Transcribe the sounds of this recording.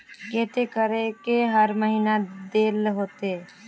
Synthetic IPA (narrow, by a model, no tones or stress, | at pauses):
keːt̪ekəɾekeɦəɾməɦiːnad̪eːlɦoːt̪eɛ